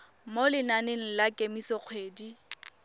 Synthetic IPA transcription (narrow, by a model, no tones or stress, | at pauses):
molɪnaneŋ̩lakʼemisɔk͡xʰweːdi